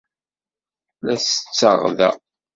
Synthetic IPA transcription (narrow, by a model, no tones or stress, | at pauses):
læsə̥t͡sːəʁðæ̰